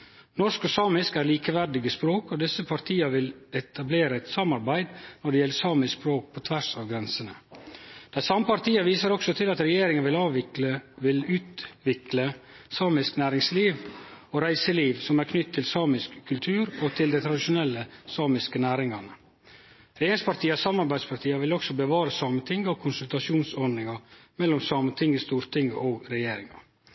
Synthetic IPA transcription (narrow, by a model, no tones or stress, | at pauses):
nɔʂkɔsɑːmɪskæːɾliːkəʋæɖɪɡəspɾoːkɔd̪ɪsəpʰɑɾt̪ʰiːɑʋɪlɛt̪ʰɑbleːɾəɛt̪sɑmɑɾbæɪd̪nɔɖɛjɛlːəsɑːməspɾoːk̚pʰɔt̪ʰʋæʂɑʋɡɾɛnsənə | d̪̥æɪsɑmːəpʰɑɾt̪ʰiːɑʋiːsəɾɔksɔt̪ʰɪlɑt̪ɾɛjeːɾɪŋənʋɪlɑːʋɪəʋɪlʉːt̪ʋɪklə | sɑːmɪsknæːɾɪŋsliːʋoːɾæɪsəliːʋsɔmæɾkʰnʏt̪ʰːɪlsɑːmɪskʰːʉlt̪ʰʉːɾot̪ʰɪld̪æɪt̪ʰɾɑd̪ɪʃʊnɛlːəsɑːmɪskənæːɾɪŋɑnə | ɾɛjeːɾɪŋspɑɾt̪ʰiːəsɑmːɑɾbæɪd̪spʰɑɾt̪ʰiːɑʋɪlɔksɔbəʋɑːɾəsɑːmənt̪ʰɪŋɡəɔkʰʊnsʉlt̪ɑʂuːnsɔɾnɪŋɑmɛlːɔmsɑːmənt̪ʰɪŋɡəst̪uːɾt̪ʰɪŋːəʔoːɡɾɛjeːɾɪŋɑ̰